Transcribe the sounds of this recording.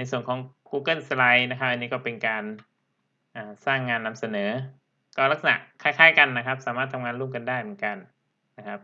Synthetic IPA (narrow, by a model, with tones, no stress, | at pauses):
na˧jsu˨˩ənkʰɔː˩˦ŋkuː˧kɤ˥˩nsla˧jna˦˥kʰa˦˥p̚ʔa˧nːiː˦˥kɔː˥˩pe˧nkaː˧n | ʔaː˨˩saː˥˩ŋːaː˧nːa˧msa˧nɤː˩˦ | kɔː˥˩la˦˥k̚sa˧na̰˨˩ʔkʰaː˥˩kʰaː˦˥˩jka˧nːa˦˥kʰa˦˥p̚saː˨˦maː˥˩t̪ʰːa˧ŋaː˧nɾuː˥˩˨mka˧ndaː˥˩jmɯ˩˦nka˧nː | a˦˥kʰa˦˥p̚